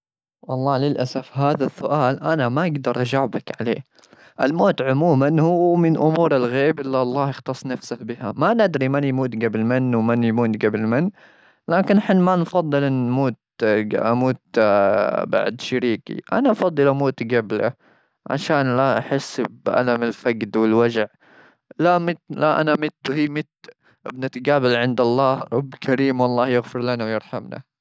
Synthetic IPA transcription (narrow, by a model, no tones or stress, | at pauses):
wɑlˤːɑːlɪlʔasafhaːðasːʊʔaːlʔanamaʔaɡd̪ɑɾˤʔad͡ʒaʕbakʕalḛː | ʔɪlmoːt̪ʕʊmuːmanhʊmɪnʔʊmuːɾɪlɣeːbʔɪlːiʔɑlˤːɑːhjɪxt̪ɑsˤːnafsahbɪhamanɪd̪ɾimɪnjmuːt̪ɡabɪlmɪnːwmɪnjmuːt̪ɡabɪlmɪnː | laːkɪnʔaħɪnːmanfɑðˤːɨlʔɪnmuːt̪ʔa̰muːt̪ | ba̰ʕd̪ʃaɾiːkḭʔa̰naʔɑfɑd̪ˤːɨlʔamuːt̪ɡabla̰ | ʕa̰ʃaːnlaʔaħɪsːbʔa̰lamɪlfaɡd̪wɪlwad͡ʒʕ | lamɪt̪laʔa̰namɪt̪ːhiːmɪt̪ | ʔɪ̰bnat̪ɡaːbɪlʕɪnd̪ɑlˤːɑːhɾˤɑbːkʰaɾiːmwɑlˤːɑːhjɪɣfɪɾlanawjɪɾˤħamna̰